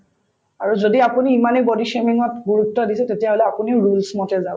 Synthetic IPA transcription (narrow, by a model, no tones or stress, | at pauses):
aɹuzodiapuniːmanebodiʃemiŋɔtɡuɹutːɔdisɛtetijaɦolɛapuniɹulsmɔtɛza